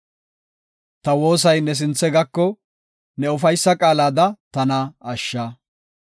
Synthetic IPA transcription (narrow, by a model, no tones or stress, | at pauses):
t̪ɐwo̞ːs̬ɐjnɛs̬ɪnt͡sːɛɡɐkːɔ | nɛʊfɐjsːɐkʼaːlaːd̪ɐt̪ɐnɐɐʃːa